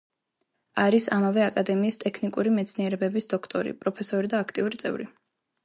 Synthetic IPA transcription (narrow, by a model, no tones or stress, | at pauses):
aɾisamavɛakʼad̪ɛmiːst̪ʼɛkʰnikʼuɾimɛt̪sʰniɛɾɛbɛbisd̪ɔkʰt̪ʼɔɾḭpʼɾɔpʰɛsɔɾid̪aːkʰt̪ʼiuɾit̪sʼɛ̰vɾḭ